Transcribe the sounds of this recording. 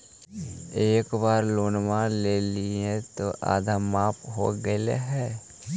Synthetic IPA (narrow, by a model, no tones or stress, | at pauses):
eːkbaːɾloːnmãleːliẽt̪oʔa̰ːd̪ʱamaːpʰɦo̰ɡəlḛɦɛː